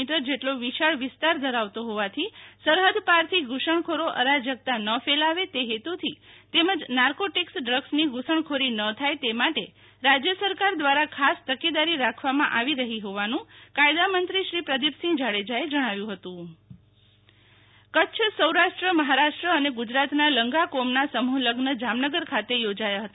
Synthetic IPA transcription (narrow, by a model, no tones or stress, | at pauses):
iʈəɾd͡ʒeʈloʋiʃaɭʋɪst̪aɾd̪ʱəɾaʋt̪oɦoʋat̪ʰisəɾɦəd̪paɾt̪ʰiɡʱuʃəɳ̃kʰoɾoʔəɾad͡ʒjəɡ̚t̪anəfelaʋet̪eɦet̪ut̪ʰit̪eməd͡ʒnaɾkoʈiksɖɾəɡsniɡʱusəɳkʰoɾinət̪ʰajt̪emaʈe | ɾad͡ʒjəsəɾkaɾd̪ʋaɾakʰast̪əked̪aɾiɾakʰʋamãʔaʋiɾəɦiɦoʋanũkajd̪amənt̪ɾiʃɾipɾəd̪ipsĩd͡ʒaɽed͡ʒaed͡ʒəɽ̃aʋjũɦət̪ũ | kəʃʰsəwɾaʃʈɾəməɦaɾaʃʈɾəəneɡʊd͡ʒɾat̪naləŋɡakomnasəmuləɡnəd͡ʒamnəɡəɾkʰat̪ejod͡ʒajaɦət̪a